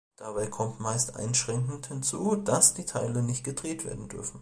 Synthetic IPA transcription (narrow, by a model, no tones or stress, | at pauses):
d̥abaɪkʰɔmtmaɪstʔa̰ɪnʃʁ̥ɛŋkŋ̩thɪnt͡suːd̥asd̥iːtʰaɪlənɪçtɡ̥ədʁeːtv̥ḛːɐdn̩dʏ̰ɐfn̩